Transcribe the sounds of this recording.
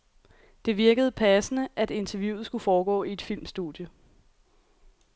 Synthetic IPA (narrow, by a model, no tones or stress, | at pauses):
d̥e̝ʋiɐɡ̥əð̞̩ˠəpʰæsənəʔæd̥e̝nt͡sʰɛɐjṵːð̩ˠsɡ̥ufɒːɡ̥ɔ̰ːie̝d̥fil̰msd̥ṵd̥ˠjə